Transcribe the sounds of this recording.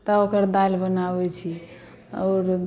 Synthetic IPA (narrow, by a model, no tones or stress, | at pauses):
t̪əokəɾd̪albənabɛt͡ʃʰi | ɔːɾ